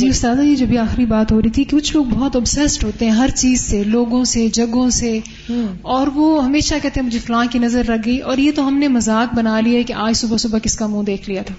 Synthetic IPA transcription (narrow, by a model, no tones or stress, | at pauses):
d͡ʒiːʊst̪aːd̪ajed͡ʒobʱiaːxɪɾibaːt̪ɦoːɾəit̪ʰikekʊt͡ʃʰloːɡ̚bɔɦt̪ɐbsɛsʈɦoːt̪eɦɛ̃ɦɐɾt͡ʃiːzseloːɡõsed͡ʒɐɡõse | ɔːɾʋoːɦɐmeːʃakɛɦt̪eɦɛ̃mʊd͡ʒʱefɐlãːkinɐzəɾːɐkʰɡɐiʔɔːɾjet̪oɦɐmnemɐzaːk̚bɐnaːliaɦɛkeʔaːd͡ʒsʊbasʊbakɪskamũːd̪eːkʰlijat̪ʰaː